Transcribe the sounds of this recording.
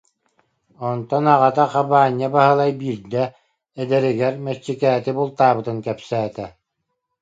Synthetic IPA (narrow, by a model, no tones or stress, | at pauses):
ɔnt̪ɔnaʁat̪aqabaːɲːabaɦɯlˠajbiɾd̪ɛː | d̪ɛɾiɡɛɾmɛt͡ɕːikɛːt̪ibulˠt̪aːbɯt̪ɯnkɛpsæːt̪ɛ